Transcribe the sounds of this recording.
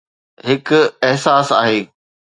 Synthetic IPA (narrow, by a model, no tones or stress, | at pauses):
ɦɪkʊɪɦsaːsa̰ːɦeː